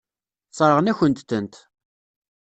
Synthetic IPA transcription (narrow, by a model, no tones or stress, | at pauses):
t͡sˤːɾˤəʁnæçənt̪θənt̪